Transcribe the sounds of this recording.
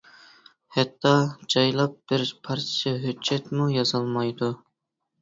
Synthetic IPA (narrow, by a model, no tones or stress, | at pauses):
hɛt̪ʰːɑd͡ʒɑjlˠɑp̚b̥ɪɾpʰɑɾt̪ʰijɑɦøːɛt̪mujɑzɑlˠmɑjd̪u